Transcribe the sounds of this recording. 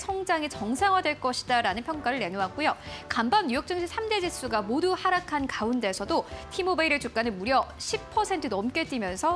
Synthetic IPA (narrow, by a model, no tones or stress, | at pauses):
sʰʌŋd͡ʑaŋit͡ɕʌŋsʰaŋwadwe̞ɭk͈ʌɕʰi̥daɾanɯnpʰjʌŋk͈aɾɯɭːe̞noɦak̚k͈ujokambamɲujok̚t͡ɕ͈ɯŋɕʰisʰamde̞d͡ʑis͈uɡamoduhaɾakʰankaunde̞sʰʌdotʰimobaiɾɯɭt͡ɕuk͈̚anɯnmuɾjʌɕʰippʰʌsʰe̞ntʰɯdʌmk͈et͈imjʌnsʰʌ